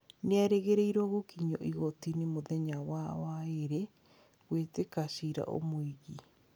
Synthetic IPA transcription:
neaɾeɣeɾeiɾɔɣokiɲɔ̰ʔiɣɔtinemoðɛɲawawaeɾe | ɣwetekaʃiɾa̰ʔo̰moiɣi

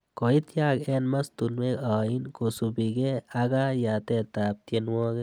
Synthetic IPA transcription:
kɔit̪jakɛnmast̪unmekainkosubiɡɛaɡajat̪ɛt̪ap̚t̪jenwɔɡe

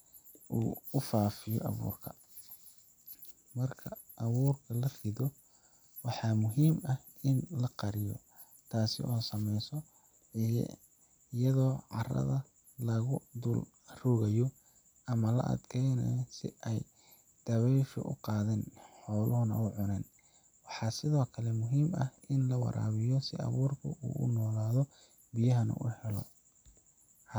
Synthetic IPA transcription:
ʔuːʊfaːfɪjɔ̰ʔɐ̰βṵːrkʰɐ | mɐrkʰɐ | ʔɐβuːrkʰɐlɐfɪðɔ | wɑħɑːmʊɦiːmɐh | ɪnlɐqɑɾɪjɔ̰ | t̪ʰaːsɪ̰ʔɔːsɐmɛjsɔ | j̰ | ɪjɐðɔːʕɑrɐ̰ðɐ | lɐɣʊd̪ʊl | rɔːɣɐjɔ | ɐmɐlɐ̰ʔɐ̰d̪kʰɛjnɛ̰jsɪ̰ʔɛj | d̪̥ɐβɛjʃʊ̰ʔʊ̰qɑːðɛːnħɔːlʊhʊnɐ̰ʊʕʊnɛːn | wɑħɑːsɪðɔːkʰɐlɛmʊɦiːmɐhʔɪnlɐwɑ̰ɾa̰ːβɪjɔsɪ̰ɐ̰βuːrkʰʊ̰ʔṵːʔʊ̰nɔːlaːðɔ | bijɐɦɐnṵʊ̰hɛlɔ

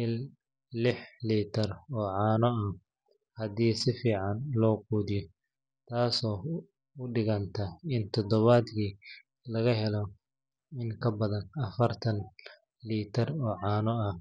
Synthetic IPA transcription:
ɪl | lɪħliːt̪ʰɐrɔːʕɑːnɔɐ | hɐðiːsɪfiːʕɑnlɔːquːðɪjɔ | t̪ʰaːsɔː | ʊɖɪɣɐnt̪ʰɐɪnt̪ʰɔd̪ɔβaːd̪kiː | lɐɣɐɦɛlɔ | ɪŋkʰɐbɐðɐnɐfɐrt̪ʰɐn | liːt̪ʰɐrɔːʕɑːnɔɐh

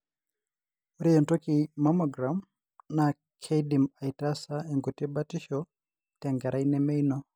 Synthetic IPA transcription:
uɾijɛntɔkimamɔɡɾam | na | kʰɛidimaitasaɛŋɡotɛbatiʃɔ | tɛŋɡaɾʔainɛmɛjnɔ

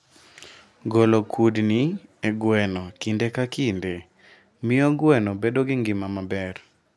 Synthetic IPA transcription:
ɡolokʰudnieɡwɛnɔkindekakinde | mɪɔɡwɛnɔbedoɡɪŋɡɪmamabɛr

